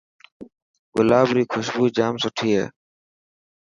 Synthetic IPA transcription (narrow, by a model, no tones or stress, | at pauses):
ɡʊlaːbɾiːkʰʊʃbuːid͡ʒaːmsʊʈʰiːɦḛː